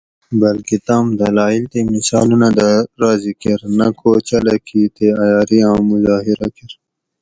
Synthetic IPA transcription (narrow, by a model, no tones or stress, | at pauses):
bɐlkit̪aːmd̪ɐlaːilt̪emisɑːlunad̪aɾaːzikiɾnɐkʰoːt͡ɕɐlɐkʰiːt̪eɐjaːɾiãːmʊzɑːɦiɾɐkiɾ